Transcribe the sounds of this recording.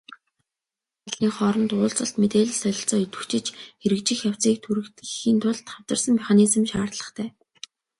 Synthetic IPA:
aɮiːŋχɔːɾɞ̆nt̪ʊːɮt͡sə̆ɬt̪met̪eːɮĭsœjʲɪ̆ɬt͡sɔːɵt̪wɵ̥̆xt͡ɕɪ̆t͡ɕxeɾɘ̆kt͡ɕɪ̆xjaw̥ʲt͡siːk̚t̪ʰuɾɘ̆kt̪xixiːnt̪ʰʊɮt̪χawt͡sə̆rsə̆ŋmeχanisə̆mʃaːrt̪ɮə̆t̪ʰæː

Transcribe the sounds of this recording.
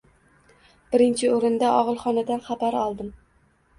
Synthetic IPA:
b̥ɪɾɪnt͡ʃʰɪoɾɪnd̪aʔɒʁɨlˠχɒnad̪anχabaɾɒlˠd̪ɪm

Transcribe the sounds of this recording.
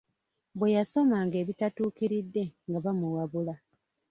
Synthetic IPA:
βwejaso̞maŋɡe̞ːβitatuːkiɾidːe̞ŋɡaβamuɣaβula

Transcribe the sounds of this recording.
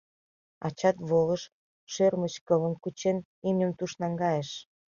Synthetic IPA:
ɑ̰t͡ɕɑt̪βolə̆ʃ | ʃørmət͡ɕkələ̆mkut͡ɕen | imnʲəmt̪uʃnɑŋɡɑjeʃ

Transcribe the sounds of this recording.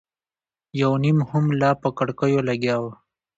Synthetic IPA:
jawnimhʊmlɑpəkəɽkəjolaɡjɑw

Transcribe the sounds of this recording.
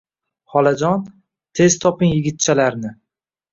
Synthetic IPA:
χɒlad͡ʒɒn | t̪ʰe̞zt̪ʰɒpɪŋjɪɡʲɪt̪̚t͡ʃʰalaɾnɪ

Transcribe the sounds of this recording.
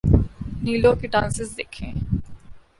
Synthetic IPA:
niːlõkiʈãːnsɪzd̪ekʰẽː

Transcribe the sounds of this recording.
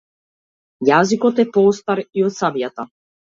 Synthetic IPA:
jazikɔt̪ɛpɔst̪aɾiɔt̪sabjat̪a

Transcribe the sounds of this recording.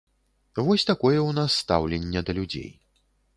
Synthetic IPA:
vɔsʲt̪akɔjɛwnasːt̪a̰wlʲɛnʲːɛd̪ɐlʲud͡zʲḛj

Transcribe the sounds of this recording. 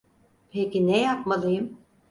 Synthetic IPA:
pʰecinɛjap̚malˠɯjɯm

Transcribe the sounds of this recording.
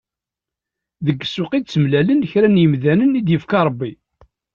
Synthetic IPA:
ðəɡːsːʊqid̪̚t͡sːəmlælənçɾænjəmðænənid̪jəfkɑɾˤəbːi

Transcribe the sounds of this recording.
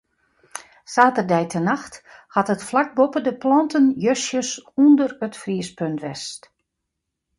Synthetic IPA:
saːtərdɛjtʰənaxthatətflak̚bopədəplɔntənjøsjəsundərətfriəspøntʋɛst

